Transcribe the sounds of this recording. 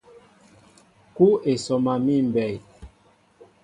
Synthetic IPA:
ku˦e˨sɔ˨ma˨mi˦˨m˨bɛ˨j

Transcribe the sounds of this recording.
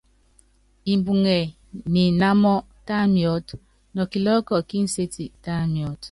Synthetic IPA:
i˨m˨bu˨ŋe˨ | mi˨na˦mɔ˦ | ta˦mjɔ˦t | nɔ˨ki˨lɔ˦kɔ˨ki˦n̩˦se˦ti˨ta˦mi˨ɔ˦t

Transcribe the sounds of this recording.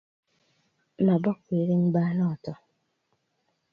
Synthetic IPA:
ma˨bɔ˦kːʷe˨ɾi˦m̩˦ɡ͡baː˦nɔ˦˨tɔ˦

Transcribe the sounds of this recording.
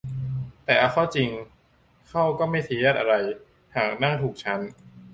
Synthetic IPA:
t̪ɛː˨˩ʔa˧kʰɔː˥˩t͡ɕi˧ŋ | kʰa˥˩wkɔː˥˩ma˥˩jt̪ʰiː˧˦a˥˩t̪̚ʔa˧ɾa˧j | haː˨˩k̚na˥˩ŋt̪ʰuː˨˩k̚t͡ɕʰa˦˥n

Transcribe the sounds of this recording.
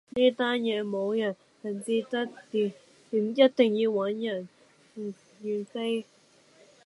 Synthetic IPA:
niː˥t̪aː˥njɛː˨˧mo˨˧wjɐ˨˩n | hɐ˨˩nt͡si˧t̪ɐ˥k̚t̪i˨˩ | t̪i˨˩mjɐ˥t̚t̪ɪ˨˩ŋjiː˧wɐ˨˥njɐ˨˩n | m̩˨˩ | ji˧fe˥j

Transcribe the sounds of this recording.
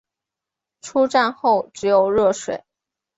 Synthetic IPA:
ʈ͡ʂʰu˥ʈ͡ʂa˥˧nxo˥˩ʊʈ͡ʂɻ̩˧˥jo˨˩ʊɻɤ˥˩ʂwḛ˨˩˦ɪ

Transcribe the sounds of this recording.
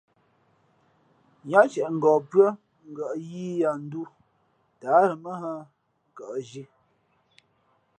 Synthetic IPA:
ɲa˦t͡ʃɛ˨ʔŋ̩˨ɡɔː˨pɰə˦ | ŋ̩˦˨ɡə˨ʔji˦ja˨n̩˦du˦ | ta˨˦ɾə˨mə˦ɦa˦ | kə˨ʔʒi˦

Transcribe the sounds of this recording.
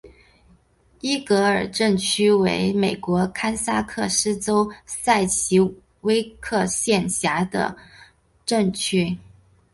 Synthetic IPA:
i˥kɤ˧˥ə˞˨˩ʈ͡ʂə˥˩ŋt͡ɕʰy˥wḛ˧˥ɪme˨˩ɪkwɔ˧˥kʰa˥nsa˥kʰɤ˥˧ʂɻ̩˥t͡so˥ʊsa˥˩ɪt͡ɕʰi˧˥ | we˥ɪkʰɤ˥˧ɕjɛ˥˩nɕja˧˥d̪ə̰˧ | ʈ͡ʂə˥˩ŋt͡ɕʰy˥

